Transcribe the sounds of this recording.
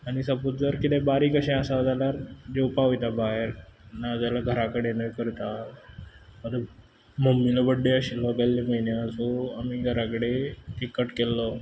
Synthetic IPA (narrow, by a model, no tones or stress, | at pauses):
aɽ̃isəput̪̚d͡zəɾkit̪ẽbaɾikəɕẽəsad͡zaljaɾd͡ʑeupaʋijt̪abaɦeɾnad͡zalaɡʱəɾakəɽenəjkəɾt̪a | məd̪ | məmːilɔbəɖːeəɕilɔɡalːeməinaəsuamiɡʱəɾakəɽeʈikːəʈkelːɔ